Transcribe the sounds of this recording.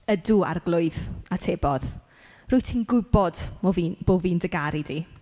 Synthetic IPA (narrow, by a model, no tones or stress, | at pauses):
ədua̰rɡlˠʊɨðatʰeːbɔð | rʊɨtʰinɡʊɪbɔdmvib̥oːviːndəɡaɾidi